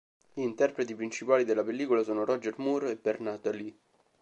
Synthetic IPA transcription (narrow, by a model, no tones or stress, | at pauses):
ʎiːnt̪ɛrpɾet̪ipɾint͡ʃipaːlid̪elːapelːiːkolasoːnoɾɔd͡ʒermuɾebɛrnat̪ali